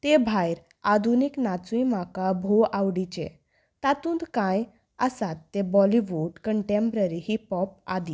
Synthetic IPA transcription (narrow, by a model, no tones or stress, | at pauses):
t̪ebʱajɾ | ad̪ʱuniknat͡suijmakabʱoawɽit͡ɕḛ̃ | t̪at̪ũːnd̪kãj | əsat̪ːebɔliʋuɖkəɳʈẽmpɾəɾihipɔp̚a̰d̪i